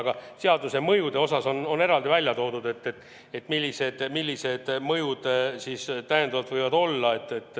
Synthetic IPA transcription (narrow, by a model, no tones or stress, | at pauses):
ɡ̥ɑseɑd̪use̞mɤjud̪e̞o̞sɑso̞no̞ne̞ɾɑld̪ivælʲjɑt̪o̞ːd̪̥ud̪e̞t̪ːet̪ː | et̪ːˑmilʲːise̞d̪̥milʲːise̞d̪̥mɤjud̪̥sist̪æjend̪ɑvɑlt̪vɤjvɑd̪o̞lːɑe̞t̪ːet̪ːˑ